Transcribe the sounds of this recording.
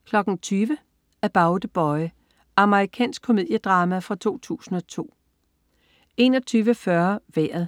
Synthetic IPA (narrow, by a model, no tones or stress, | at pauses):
kʰlɒ̽ɡ̥n̩t͡sʰyːʋə | æb̥ɑ̈ʊd̥əb̥ɒɪ | ʔɑ̈məʁikʰɛ̰ːnsɡ̥̚kʰo̝mið̰ˠjəd̥ʁɑ̈ːmæfʁɑ̈t͡sʰo̝̰ːt͡sʰṵːsn̩ɒ̽t͡sʰo̝̰ː | e̝nɒt͡sʰyːʋəfɶɐʋæɐðˠ